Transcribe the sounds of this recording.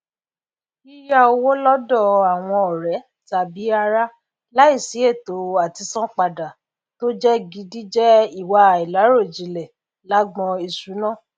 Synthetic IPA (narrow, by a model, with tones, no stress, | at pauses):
i˦ja˧o˧wo˦lɔ˦dɔ˦˨a˨w̃ɔ̃˧ɔ˨ɾɛ˨˦ | ta˨bi˨˦a˧ɾa˦ | la˦i˦˨si˨˦e˦˨to˨˦a˨ti˧sã˦k͡pa˧˨da˨ | to˦d͡ʒɛ˦ɡi˨˦di˦d͡ʒɛ˦i˦˨wa˧˨i˨la˨˦ɾo˦˨d͡ʒi˨˦lɛ˨ | la˨˦ɡ͡bɔ̃˧i˧˨su˨˦nã˦˨